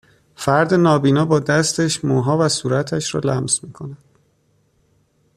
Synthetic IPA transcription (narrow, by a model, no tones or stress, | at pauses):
fæɾd̪e̞nɒːbiːnɒːbɒːd̪æst̪ʰeʃmuːɦɒːvæsuːɾæt̪ʰæʃɾɒ̰ːlæmz̥miːkʰo̞næd̪̥